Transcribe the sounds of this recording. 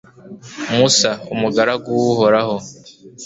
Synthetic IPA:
musaumuɡaɾaɡuwuhoɾaho

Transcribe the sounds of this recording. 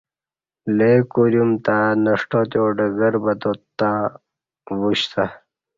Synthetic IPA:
lekuɾjumt̪anɐʂʈot̪joːɖɐɡɐɾbɐt̪ot̪ːa | wuɕt̪ʰa

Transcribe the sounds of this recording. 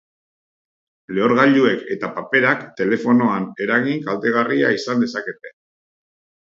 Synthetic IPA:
le̞o̞ɾɣaʎue̞ke̞t̪apape̞ɾakt̪e̞le̞fo̞no̞ane̞ɾaɣiŋkalt̪e̞ɣ̞ariaisand̪e̞sake̞t̪e̞

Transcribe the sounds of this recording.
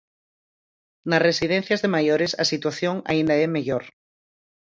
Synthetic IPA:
nasresið̞en̟θjazðemajoɾesa̰sit̪waθjoŋa̰ĩnd̪aemeʎoɾ

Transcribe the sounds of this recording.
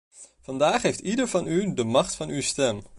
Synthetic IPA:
vɑndaːχɦejftidəɹvɑnydəmɑχtfɑnywstɛm

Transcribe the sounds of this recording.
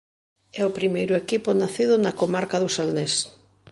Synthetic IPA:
ɛʊpɾimejɾʊekipʊnaθiðʊnɐkomaɾkaðʊsalnes

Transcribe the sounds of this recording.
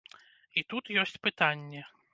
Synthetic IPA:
it̪ut̪jɔsʲt͡sʲpɨt̪anʲːɛ

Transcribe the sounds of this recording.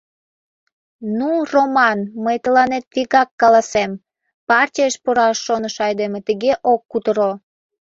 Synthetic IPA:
nuromɑnməjt̪əlɑnet̪̚viɣɑkːɑlɑsem | pɑrtʲijəʃpoɾɑʃːonəʃɑjd̪emĕt̪əɣeʔokːut̪əɾo

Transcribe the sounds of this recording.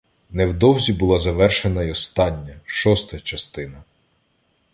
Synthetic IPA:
nɛwd̪ɔwzʲibʊlˠɑzɐʋɛrʃenɐjɔst̪ɑnʲːɐʃɔst̪ɐt͡ʃɐst̪ɪnɐ

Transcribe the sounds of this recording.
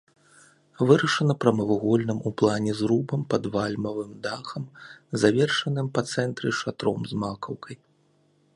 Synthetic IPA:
vɨɾɐʂɐnɐpɾɐmɐvuɣɔlʲnɨmuplˠanʲɛzɾubɐmpɐd̪valʲmɐvɨmd̪axɐmzavʲɛrʂɐnɨmpɐt̪sɛnt̪ɾɨʂat̪ɾɔ̰mzmakɐwkʰɐj

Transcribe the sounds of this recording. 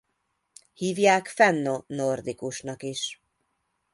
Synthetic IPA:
hiːvjaːkfɛnːonord̪ikuʃnɒkiʃ

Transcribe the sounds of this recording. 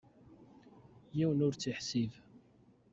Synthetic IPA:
jiwənʊɾt͡sːiħsiv

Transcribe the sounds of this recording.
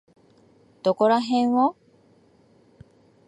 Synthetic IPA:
d̪̥okoɾaɦẽɰ̃wo

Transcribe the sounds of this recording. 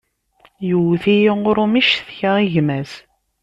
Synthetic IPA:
juwθijiʊɾumiʃθçaʁiʝmæz

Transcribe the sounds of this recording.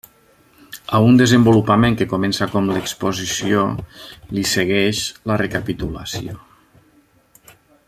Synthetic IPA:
aund̪əzəmbulupəmẽŋkəkomensakɔmləkspozisiolisəɣɛʃlərekapit̪uləsio

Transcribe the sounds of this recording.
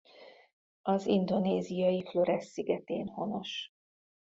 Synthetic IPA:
ɒzind̪o̞neːzijɒjiflo̞ɾɛsːiɡɛt̪eːnho̞no̞ʃ

